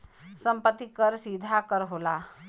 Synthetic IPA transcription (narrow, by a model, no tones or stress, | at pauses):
səmpət̪ːikəɾsid̪ʱakəɾɦola